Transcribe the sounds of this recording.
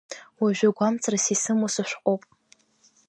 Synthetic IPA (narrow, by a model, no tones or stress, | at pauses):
waʒᶣaɡʷamt͡sʰʼrasisɨmosɨʃʷᶣqʷʼowpʼ